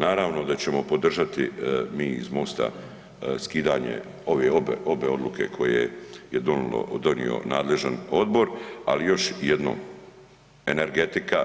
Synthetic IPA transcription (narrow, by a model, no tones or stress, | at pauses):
naːɾaːʋno̞d̪at͡ɕe̞mo̞po̞d̪r̩ʒat̪imiːizmost̪a̰ | skiːd̪aːɲḛ | o̞ʋeobo̞be̞o̞d̪lukʰe̞̰kʰo̞jḛjed̪o̞nulo̰d̪o̞nḭo̞̰naːd̪le̞ʒano̞d̪bo̞ɾa̰lijo̞ʃjed̪no̰ːm | e̞neɾɡe̞t̪ika